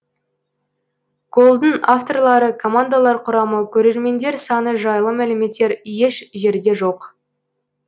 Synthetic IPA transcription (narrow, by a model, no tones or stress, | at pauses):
kʰo̞lˠd̪ənaft̪o̞rlˠɑɾəkʰo̞mand̪alˠɑɾqʰʊɾɑməkʲʰɵɾe̞ɾme̞nd̪e̞ɾsɑnəʒɑjlˠəmæleme̞t̪ːe̞ɾjeʃʒe̞ɾd̪e̞ʒoq